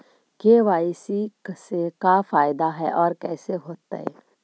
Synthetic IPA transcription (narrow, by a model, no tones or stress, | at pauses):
keʋaːɪsiksekafaːɪd̪aɦɛ̰ʔɔːɾkɛːseɦoːt̪a̰ɦɛ̰ː